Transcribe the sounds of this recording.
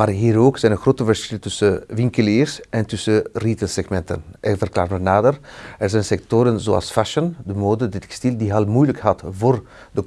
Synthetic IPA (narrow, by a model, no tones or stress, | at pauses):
maːrɦiːɾoːksɛjnənxroːtəvərsxɪltʏsəʋɪŋkəliːrsɛntʏsəriːtəlsɛxmɛntə̰nʔɪvərkla̰ːrmənaːdərɛrzɛjnsɛk̚toɾənzo̰ːɑ̰lˠsfaʃəndəmoːdədtɛkstildiɦɑlˠmujləkɦɑtvoːr | də